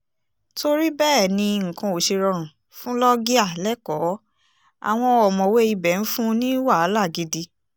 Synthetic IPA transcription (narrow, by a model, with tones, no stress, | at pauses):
tʰo˧ɾi˦bɛː˦˨nĩ˧ŋ̩˨kɔ̃˧o˨ʃe˧ɾɔ˧ɾ̃ũ˨ | fũ˦lɔ˦ɡi˦a˦˨lɛ˦kɔ˨˦ | a̰˨w̃ɔ̃˧ɔ˨mɔ̃˨we˦i˧bɛ˨n̩˦fũ˦nĩ˦wa˦˨a˨˦la˦˨ɡi˨˧di˧